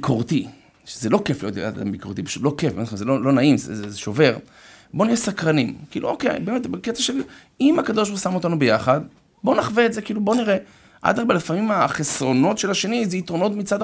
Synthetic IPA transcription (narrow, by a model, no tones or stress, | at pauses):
koʁti | ʃezelo̞ke̞flijo̞t̪a̰da̰mbikoʁt̪ipe̥ʃut̪lo̞kefbenamzelolo̞naimzezeʃo̞ve̞ʁ | bo̞niesakʁanimkiːluokejbeːmet̪beketaʃel | imakad̪o̞ʃ̬buʁsamo̞t̪anubejaχad | bo̞naχveːtzekiːlubo̞niʁe | ʔa̰d̪aʁbelefamimaχesʁo̞no̞tʃelaʃe̞nizeitʁono̞tmit͡sad